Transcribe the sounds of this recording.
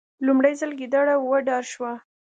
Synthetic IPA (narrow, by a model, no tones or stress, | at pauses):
lumɽajzəlɡid̪ɑɽawəɖɑɾʃwa